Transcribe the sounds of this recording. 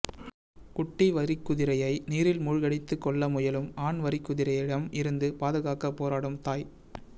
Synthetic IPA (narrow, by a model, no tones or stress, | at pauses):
kʊʈːiʋɐɾɪkːʊðɪɾɐjɐɪniːɾɪlmʊɻɣɐɽɪt̪ːɯkːɔɭːɐmʊjɐlɯmaːɳʋɐɾɪkːʊðɪɾɐjɪɽɐmɪɾɯnd̪ɯpaːðɯɣaːkɐpːoːɾaːɽɯmt̪aːj